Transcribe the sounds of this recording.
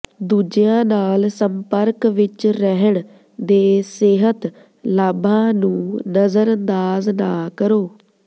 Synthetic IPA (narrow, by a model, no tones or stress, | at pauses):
d̪uːd͡ʒjãːnaːlsəmpəɾkʋɪt͡ʃɾɛɦəɳ | d̪eːseːɦət̪ | laːbãːnũːnəzəɾənd̪aːznaːkəɾoː